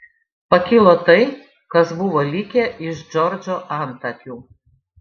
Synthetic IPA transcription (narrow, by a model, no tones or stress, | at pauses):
pɐkʲɪlˠot̪ɐɪ | kɐsbʊʋolʲɪkʲeʔɪʃd͡ʒɔɾʲd͡ʒʲoʔɑnt̪ɐkʲuː